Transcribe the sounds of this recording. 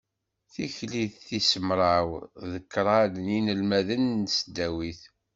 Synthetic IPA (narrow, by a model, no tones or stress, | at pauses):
θiçliðθisəmɾˤɑwðəkːɾˤɑlninəlmæðənsd̪æwiθ